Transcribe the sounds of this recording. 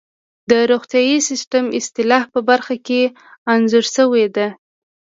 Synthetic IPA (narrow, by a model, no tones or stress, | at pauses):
d̪əɾoɣt̪jɑjisɪsʈəmɪst̪ɪlɑhpəbaɾxake | anzuɾʃəwed̪e